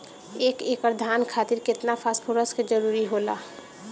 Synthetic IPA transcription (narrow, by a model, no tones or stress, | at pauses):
eːkekəɾd̪ʱaːnkʰaːt̪iɾkɪt̪napʰaːspʰoɾəsked͡ʒəɾuːɾiɦola̰